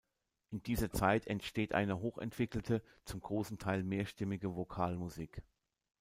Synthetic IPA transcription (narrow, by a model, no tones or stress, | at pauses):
ʔɪndiːzɐt͡saɪtʰɛntʃteːtʔa̰ɪnəɦoːxɛ̰ntv̥ɪkl̩tʰə | t͡sʊmɡ̥ʁoːsn̩tʰaɪlmeːɐʃtɪmɪɡəvokʰaːlmuziːk